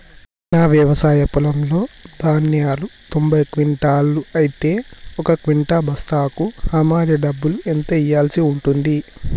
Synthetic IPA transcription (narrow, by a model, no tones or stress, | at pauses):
naːʋjɐʋɐsaːjɐpulɐmlo̞ːd̪ʱaːnjaːlut̪ombɐjkʋiɳʈaːluɐjit̪e̞ːɔkɐkʋiɳʈaːbʱɐst̪aːkuhɐːmaːɾjɐɖɐbːuluent̪ɐijːaːlsiuɳʈund̪i